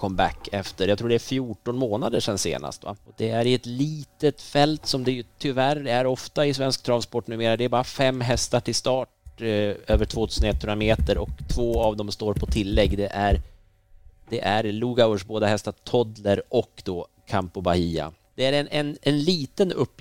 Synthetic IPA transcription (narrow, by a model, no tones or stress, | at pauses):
kʰɔmbæ̰kːɛft̪əɾjat̪ʰɾuːɖɛæɾfjuːʈɔnmoːnad̪əʂɛnsḛːna̰st̪va̰ɔd̪ɛæɾɪɛt̪liːt̪ət̪fɛlt̪sɔmd̪ɛjɵt̪ʰʏvæɾæɾɔft̪aɪsvɛnskt̪ʰɾanspɔʈːnʉːmeːɾad̪ɛæɾbɑːɾafɛmːɦɛst̪aʈʰɪlst̪ɑːʈ̚ | øːvəʈʰv̥oːt̪ʰʉːsənɛt̪ʰːhɵnameːt̪əɾʔɔ̰kt̪ʰvoːavd̪ɔmst̪oːɾpʰɔt̪ʰɪlːɛɡːd̪ɛʔæɾ | d̪̥ɛʔæɾluːɡaʂboːd̪aɦɛst̪at̪ʰɔd̪ləɾɔkːd̪̥ɔ | kʰampʊbahiːa̰ | d̪̥ɛæɾɛnʔɛnɛnliːt̪ənɵ̰pː